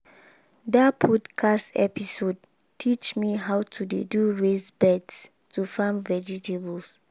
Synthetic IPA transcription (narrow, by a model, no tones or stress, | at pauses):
dapʰɔdkʰastɛ̰pisod̚ | tʰit͡ʃmiɦawtʰudeduɹesbɛds | tufãmvɛd͡ʒitʰebɔls